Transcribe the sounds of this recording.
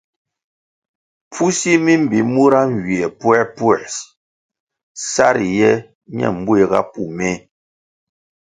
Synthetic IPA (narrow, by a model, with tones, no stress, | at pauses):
p͡fu˦si˦mi˦m̩˨bi˨˦mu˦ɾa˦ŋ˨ɡi˨ɛ˨pwɛ˦pwɛ˨s | sa˦ɾi˨jɛ˦ | ɲɛ̰˦˨m̩˨˦be˨ɣa̰˦pu˦˨mɛ˦